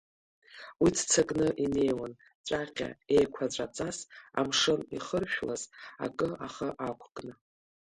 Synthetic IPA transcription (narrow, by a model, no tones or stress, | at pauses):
widʰt͡sʰakʼnɨʔine̞jwan | t͡ʃʷʼaqʲa̰e̞jkʷʰat͡ʃʷʼat͡sʼasa̰mʂɨniχərʃᶣla̰za̰kʼɨaχaʔakʷʰkʼnɨ